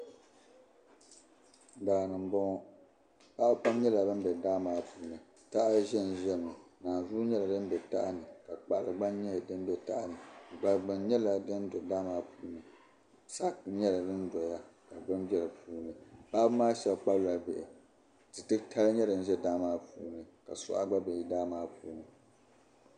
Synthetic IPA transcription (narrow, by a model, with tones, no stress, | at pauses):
daː˨nɨ˨m˨bɔ˦ŋ˦ | pa˦ʔk͡pa˦m˦ɲɛ˦la˨bɨ˦n˦bɛ˨daː˦maː˨˦puː˨nɨ˨ | ta˦ʔa˦ʒɛ˦n˨ʒɛ˦˨nɨ˨naː˨zu˦ɲɛ˦la˨dɨ˦n˦bɛ˨ta̰˦ʔa˦nɨ˨ka˨k͡pa˨ʔa˨lɨ˨ɡ͡ba˦nɲɛ˦˨dɨ˦m˦bɛ˨ta˦ʔa˨nɨ˨ɡ͡ba˨ɡ͡bɨ˨n˦ɲɛ˦la˨dɨ˦n˦dɔ˨daː˦maː˦puː˦nɨ˨ | sa˦kɲɛ˦la˨dɨ˦n˦dɔ˨ja˦ka˨bɨ˦nbɛ˦lɨ˨pʰuː˦nɨ˨ba˦bɨ˦maː˦ʃɛ˦lk͡pa˦lla˨bɪ˨ʔɪ˨ | tɨ˨tɨ˦ktʰa˦lɨ˦ɲɛ˦dɨ˨n̩˦ʒɛ˦daː˦maː˦puː˨˦nɨ˨ka̰˨sʊ̰˦ʔa̰˦ɡ͡ba˦bɨ˨ji˦daː˦maː˦puː˦nɨ˨